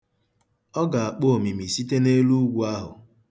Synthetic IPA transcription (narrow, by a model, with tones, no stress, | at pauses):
ɔ˦ɡa˨a˨k͡po˦o˨mi˨mi˨si˦te˦ne˦lu˦ɡʷu˦a˦ɦʊ̰˨